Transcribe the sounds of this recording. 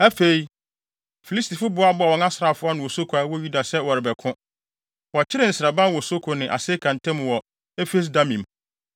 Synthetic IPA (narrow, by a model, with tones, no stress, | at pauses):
æ˦fe˨i˨ | fi˨li˦stʰi˨fʊ˦bʊ˦a˦bʊ˦a˨wɔ̃˨nã˦sɾa˨fʊ˦a˦nɪ̃˨wɔ˨so˦kʰu˨a˨˦wɔ˦ju˦da˨sɛ˦wɔ˨ɾɪ˨bɛ˨kʰʊ̃˦ | wɔ˨t͡ɕʰɪ˦ɾɪ˦˨n̩˨sɪ˨ɾa˨bã˦wɔ˨so˦kʰo˨nɪ̃˨ʔa̰˨se˦kʰã˨n˨tʰɪ̃˦m˨wɔ˨ | ɛ˦fe˦s̬da˦mĩ˨m